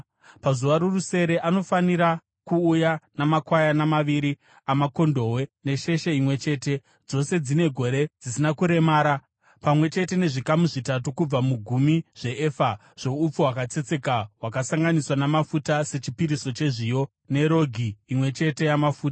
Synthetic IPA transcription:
pazuʋaɾuruse̞ɾe̞ʔano̞faniɾa | kuːjanamakwajanamaʋiɾi | amako̞ndo̞we̞ne̞ʃe̞ʃeimwe̞t͡ʃe̞ːte̞ | d͡zo̞se̞d͡zine̞ɡʱo̞ɾe̞d͡zisinakuɾe̞maːɾa | pamwe̞t͡ʃe̞te̞ne̞ʐikamuʐitatukub͡vamuɡʱumiʐ̥e̞eːfa | ʐ̥o̞up͡fuwakat͡se̞t͡se̞kaɦwakasaŋɡaniswanamafutase̞t͡ʃipiɾiso̞t͡ʃe̞ʐijo̞ | ne̞ɾo̞ɡʱiːmwe̞t͡ʃe̞te̞jamafuːta

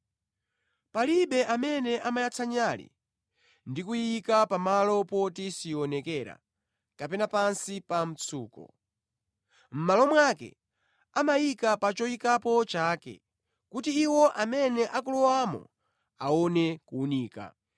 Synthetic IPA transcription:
paliɓɛʔamɛnɛʔamajat͡sʰaɲalḭ | ndikujikapamalɔpɔtisiɔnɛkɛɾa̰ | kapɛnapansipam̩t͡sʰuːkɔ̰ | m̩malɔmwakɛ̰ | amajikapat͡ʃɔikapɔt͡ʃaːkɛ̰ | kutiːwɔʔamɛnɛʔak̬ulɔwamɔ̰ | aɔnɛkuːniːka̰

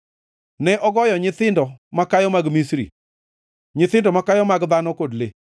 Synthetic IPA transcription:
nɛʔɔɡɔjɔɲɪθɪndɔmakajɔmaɡmisɾḭ | ɲɪθɪndɔmakajɔmaɡd̪anɔkodle

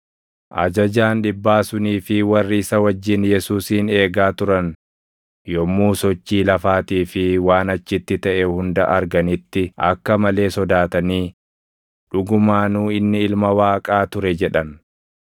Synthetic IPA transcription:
ʔɐ̰d͡ʒɐd͡ʒaːnᶑɪbːaːsʊniːfɪwɐrːɪɪsɐwɐd͡ʒːɪnjɛsuːsiːne̞ːɡaːt̪ʊɾɐn | jɔmːuːsɔt͡ʃːiːlɐfaːt̪iːfɪwaːnɐt͡ʃːɪt̪ːɪt̪ɐʔɛhʊnd̪ɐʔɐɾɡɐnɪt̪ːɪʔɐ̰kːɐmɐle̞ːsɔd̪aːt̪ɐniː | ᶑʊɡʊmaːnuːɪnːɪɪlmɐwaːkʼaːt̪ʊɾɛd͡ʒɛᶑɐn

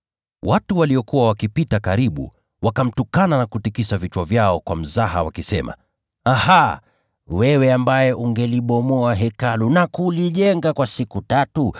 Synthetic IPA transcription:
wʔatuwaliɔkuwawakipitakaɾiɓṵ | wakam̩tukananakutikisavit͡ʃwavjaɔkwam̩zaɦa̰wakisɛ̰ma̰ | aha | wɛwɛambajɛʔuŋɡɛliɓɔmɔaɦɛkalunakuliʄɛŋɡakwasikutatu

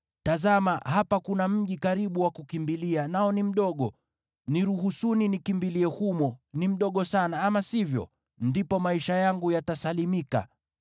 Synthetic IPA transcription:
tazamahapakunam̩ʄikaɾiɓuwakukimbilianaɔnim̩ɗɔɠɔ | niɾuɦusuninikimbiliɛhumɔnim̩ɗɔɠɔsanaamasivjɔ̰ | ndipɔmaiʃajaŋɡujatasalimika̰

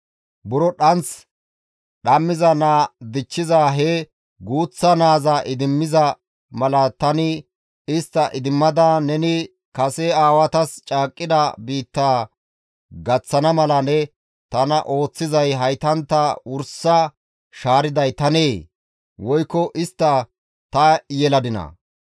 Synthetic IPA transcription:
bʊɾɔɗɐnt͡s | ɗɐmːɪzɐnaːd̪ɪt͡ʃːɪzaːɦɛ | ɡuːt͡sːɐnaːzaʔɪd̪ɪmːɪzɐ | mɐlɐt̪ɐnɪ | ɪst̪ːɐʔɪd̪ɪmːɐd̪anɛnɪ | kɐsɛaːwɐt̪ɐst͡ʃʼaːkʼːɪd̪ɐbiːt̪ːaː | ɡɐt͡sːɐnɐmɐlɐnɛ | t̪ɐnɐʔo̞ːt͡sːɪzɐjɦɐjt̪ɐnt̪ːɐʊɾsɐ | ʃaːɾɪd̪ɐjt̪ɐneː | wɔjkːɔʔɪst̪ːɐ | t̪ɐjɛlɐd̪ɪnɐ̰

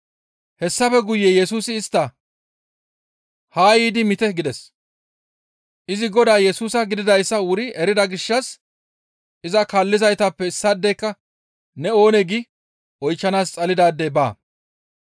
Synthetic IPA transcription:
hɛsːɐfɛɡʊjːɛjɛsuːsɪːst̪ːɐ | haːjiːd̪ɪmɪt̪ɛɡɪd̪ɛs | ʔɪzɪɡɔd̪aːjɛsuːsɐɡɪd̪ɪd̪ɐjsːɐwʊɾɪɛɾɪd̪ɐɡɪʃːɐs | ʔɪzɐkalːɪzɐjt̪ɐpːɛɪsːɐd̪ːɛjkːɐ | nɛo̞ːnɛɡɪ | ɔjt͡ʃːɐnaːst͡sʼɐlɪd̪aːd̪ːɛba̰ː

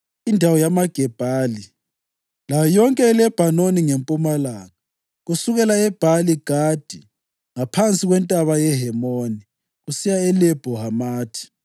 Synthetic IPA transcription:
indʱawɔjamaɡ̥ʱɛb̥ʱaːli | lajɔŋkʼɛːlɛb̥ʱanoniŋempʼumalaːŋa | ɣusuɣɛlaɛb̥ʱaliɡ̥ʱad̥ʱi | ŋapʰant͡sʼiɣwɛntʼaβajɛɦɛmoni | ɣusijaɛlɛb̥ʱɔɦamaːtʰi̥

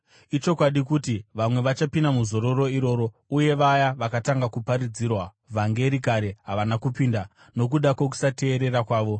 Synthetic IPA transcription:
it͡ʃo̞kwaɗikutiʋamwe̞ʋat͡ʃapindamuzo̞ɾo̞ɾo̞iɾo̞ːɾo̞ | uje̞ʋajaʋakataŋɡakupaɾid͡ziːrwa | vʱaŋɡe̞ɾikaɾe̞ɦaʋanakupinda | nok̬uɗakwok̬u̥sate̞ːɾe̞ɾakwaːʋo̞

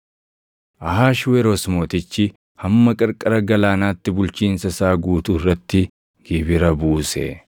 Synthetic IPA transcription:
ʔɐɦaːʃwɛɾosmoːt̪ɪt͡ʃːɪ | hɐmːɐkʼɐɾkʼɐɾɐɡɐlaːnaːt̪ːɪbʊlt͡ʃiːnsɐsaːɡuːt̪ʊɪrːɐt̪ːɪ | ɡ̥ibɪɾɐbuːsɛ̰

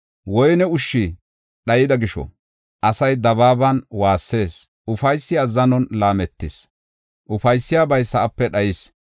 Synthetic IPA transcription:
wɔjnɛʊʃːi | ɗɐjɪd̪ɐɡɪʃɔ̰ | ʔɐsɐjd̪ɐbaːbɐnwaːsːe̞ːs | ʊfɐjsːɪɐzːɐnɔnlaːmɛt̪ːɪs | ʔʊfɐjsːɪjaːbɐjsɐʔɐpːɛɗɐjɪs

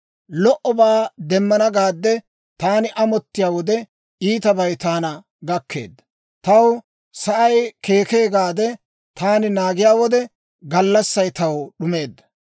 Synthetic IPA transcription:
lɔʔɔbaːd̪ɛmːɐnɐɡaːd̪ːɛ | t̪aːnɪʔɐmɔt̪ːɪjaːwɔd̪ɛ | iːt̪ɐbɐjt̪aːnɐ | ɡɐkʰːe̞̰ːd̪ːɐ | t̪ɐw | sɐʔɐjke̞ːke̞ːɡaːd̪ɛ | t̪aːnɪnaːɡɪjaːwɔd̪ɛ | ɡɐlːɐsːɐjt̪ɐwɗʊme̞ːd̪ːɐ̥

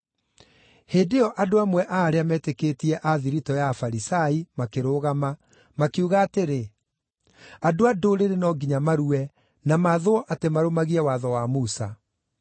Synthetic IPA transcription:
heːdeɔʔadoamwɛʔaːɾeamɛtekeːtiɛʔaðiɾitɔjafaɾisaimakeɾoːɣama | makeuɣaːteɾe | adoadoɾeɾenɔɡiɲamaɾuɛ | namaːðoɔʔatemaɾomaɣiɛwaðɔwamusa̰

